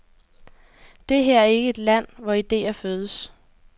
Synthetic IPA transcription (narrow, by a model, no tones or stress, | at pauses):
d̥e̝ɦæɐ̰æɐe̝ɡ̥əe̝d̥læn̰ʋɒid̥e̝̰ːɐføːð̞ˠəs